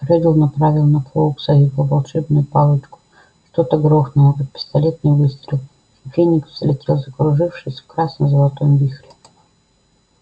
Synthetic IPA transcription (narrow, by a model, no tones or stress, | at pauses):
rɛd̪ʲɪlˠnɐpɾavʲɪlˠnɐplˠoksɐjʲipəvɐlˠʂɛbnʊjʊpalˠɨt͡ʃkʊ̥ | ʂt̪ot̪əɡɾoxnəjəkt̪̚pʲɪ̥st̪ɐlʲet̪̚nɨjvɨst̪ɾʲɪlˠ | fʲenʲːikslʲɪt̪ʲɾʲilˠzɐkɾʊʐɨfʂɨjsʲfkɾasnəzəlˠɐt̪ojmvʲixɾʲɪ